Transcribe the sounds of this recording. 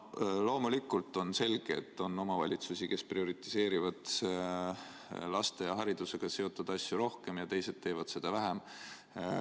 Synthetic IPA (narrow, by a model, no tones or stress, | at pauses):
lo̞ːmulikːˑult̪ːˑo̞nse̞lɡ̥eḛt̪ːˑo̞nːo̞mɑvɑ̰lʲit̪susike̞sprio̞ɾit̪ːise̞ːɾivɑd̪̥ | lɑst̪e̞jɑɦɑɾid̪̥use̞ɡ̥ɑse̞o̞t̪ːˑud̪̥ɑsʲjuɾo̞hke̞mjɑt̪e̞jse̞d̪̚t̪ːe̞ːvɑd̪̥se̞d̪̥ɑvæɦem